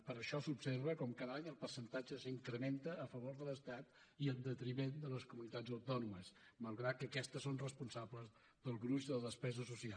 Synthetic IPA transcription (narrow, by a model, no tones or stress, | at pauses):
pəɾəʃɔsupseɾβəkɔmkaðəaɲəlˠpərsənt̪ad͡ʒəsəiŋkɾəment̪əːfəβoɾðələst̪at̪ | iənˠd̪ət̪ɾimend̪ələskumunit̪azəwt̪ɔnuməs | malˠɣɾat̪̚kəkɛst̪əsːonrəspunsabləz | ðəlˠɣɾuzðələðəspɛzəsusial